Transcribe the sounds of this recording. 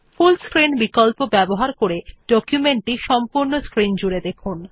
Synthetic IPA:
fulskɾinbikolpobɛboɦaɾkoɾeɖ̥ɔkjumeɳʈiʃɔmpuɾnoskɾind͡ʑuɾed̪ekʰun

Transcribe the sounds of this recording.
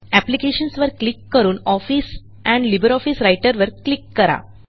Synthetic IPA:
æplikeɕənsʋəɾklikːəɾuːnɔfis | ɛ̃ɳɖlibəɾɔfisɾajʈəɾʋəɾklikːəɾa̰

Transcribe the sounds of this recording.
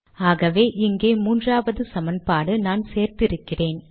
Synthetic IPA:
aːɣɐʋeːʔɪŋɡeːmuːndraːʋɐðɯsɐmɐnpaːɽɯnaːnseːrt̪ɪɾɯkːɪreːn

